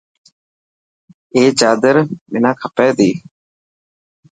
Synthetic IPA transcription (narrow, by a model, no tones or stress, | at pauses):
eːt͡ʃaːd̪əɾmɪnãːkʰəpɛːd̪iː